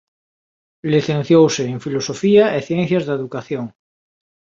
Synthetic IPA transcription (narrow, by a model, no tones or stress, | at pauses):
liθẽn̟θjowseːŋfilosofiaeθjɛ̃n̟θjazðeðukaθjoŋ